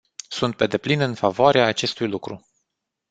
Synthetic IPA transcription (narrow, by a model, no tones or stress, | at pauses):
sunt̪̚pe̞d̪e̞plinɨnfavoaɾeaːt͡ʃe̞st̪ujlukɾu